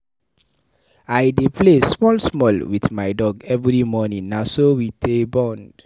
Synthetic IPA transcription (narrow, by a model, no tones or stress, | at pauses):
aɪdepʰlesmɔlsmɔlwiθmaɪdɔɡɛvɹimɔnĩŋnasowitʰebɔ̃nd̥